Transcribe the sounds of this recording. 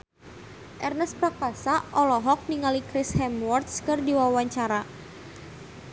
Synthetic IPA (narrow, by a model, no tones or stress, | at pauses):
ʔɛrnɛspɾakasaʔɔlɔɦɔk̚niŋalikɾɪshɛmwɔrt̪skɨrdiwawaɲt͡ʃaɾa